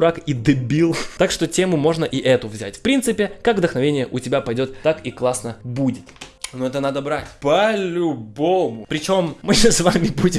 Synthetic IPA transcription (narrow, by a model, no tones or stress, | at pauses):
ɾakid̪ɨbʲilˠt̪akʂt̪otʲe̞mʊmo̞ʐnəʔiʔɛt̪ʊvzʲæ̰tʲfpɾʲint̪sɨpʲɪkakvd̪əxnɐvʲenʲɪjəʔʊtʲɪbʲapɐjdʲo̞t̪t̪akiklˠasnəbudʲɪt̪nuɛt̪ənad̪əbɾatʲpəlʲʊbomʊpɾʲɪt͡ɕo̞mːɨsvamʲɪbudʲɪ